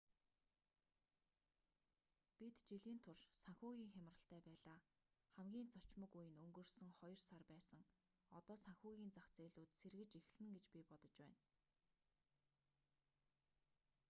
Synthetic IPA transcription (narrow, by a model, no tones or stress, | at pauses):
pit̪t͡ɕiɮiːnt̪ʰʊrsaŋxuːɣʲiːŋxʲam̆rə̆ɬt̪æːpæːɮaː | χæmɡʲiːnt͡sʰɔt͡ɕmə̆kujɘ̆nɵŋɡɵ̆rsɵ̆ŋχɔj̆rsarpæːsə̆ŋ | ɔt̪ɔːsaŋxʲʊːɣʲiːnt͡saxt͡seːɮʊːt̪serɣɘ̆t͡ɕix̆ɮɘ̆ŋɡet͡ɕpʲipɔt̪ɞ̆t͡ɕpæːn